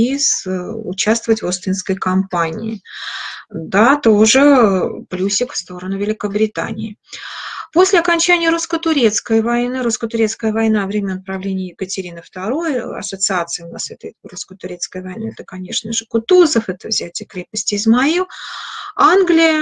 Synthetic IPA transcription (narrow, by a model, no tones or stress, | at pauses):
isʊ̰t͡ɕast̪vəvətʲvost̪ʲɪnskəjkɐmpanʲɪ̰ɪ | d̪at̪oʐɨb̥lʲusʲɪkfst̪o̞ɾənʊvʲɪlʲɪkəbɾʲɪt̪a̰nʲɪ̰ː | po̞sʲlʲɪɐkɐnʲt͡ɕænʲɪjəɾuskət̪ʊɾʲe̞t̪skəjvɐjnɨɾuskət̪ʊɾʲeskəjəvɐjnavɾʲemʲənəpɾɐvlʲenʲɪjjɪkətʲɪɾʲinəft̪ɐɾo̞jɐ̰sət̪sɨat̪sɨɪʊnasɛt̪əjruskət̪ʊɾʲe̞t̪skəjvɐjnaɛt̪əkɐnʲe̞ʂnəʐɨkʊt̪uzəfɛt̪əvzʲætʲɪəkɾʲepəsʲtʲɪɪzmɐi | anɡlʲɪjə